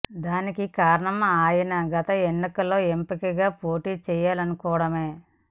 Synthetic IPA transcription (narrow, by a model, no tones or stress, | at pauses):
d̪aːnikikaːɾɐɳɐmaːjinɐɡɐt̪ɐenːikɐlo̞ːempikɐɡaːpo̞ːʈiːt͡ʃɛːjaːlɐnukɔːʋɐɽɐme̞ː